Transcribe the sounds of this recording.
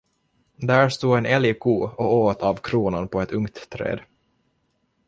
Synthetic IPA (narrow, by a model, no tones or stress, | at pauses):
d̪æːɾʂt̪uːɛnɛljkʰuːɔoːt̪ʰavkʰɾuːnanpʰɔɛt̪ʰɵŋt̪ʰːɾḛːd̪